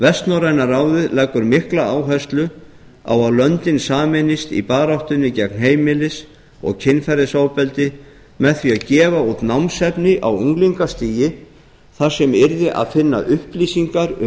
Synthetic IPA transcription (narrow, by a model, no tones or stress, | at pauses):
vɛst̪nɔɾajnaraːwðɪðlaːjkʏɾmɪhklaaːwɦɛst̪lʏ | a̰waðlœnt̪ɪnsaːmɪnɪst̪ḭpaːɾawht̪ʏnːɪcɛknɦeːjmɪlɪs | ɔ̰ɣcʰɪnfɛɾɪsaːwpɛlt̪ɪ | mɛðθviaðcɛːvaut̪nawmsɛpnɪʔawuŋkliŋkast̪iːjɪ | θaɾ̥sɛmɪɾðɪʔa̰ðfɪnːa̰ʔʏhpliːsiŋkaɾʏ